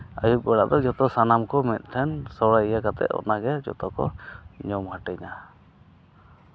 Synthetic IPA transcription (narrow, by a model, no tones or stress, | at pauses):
a̰jut̪̚ɡɔɽa̰ʔd̪ɔd͡ʒɔt̪ɔsanamkɔmɛt̪̚ˀt̪ʰɛnsɔwɾaijakat̪ɛ̰ʔɔ̰naɡɛd͡ʒɔ̰t̪ɔkɔ̰ɲɔmhaʈɛɲa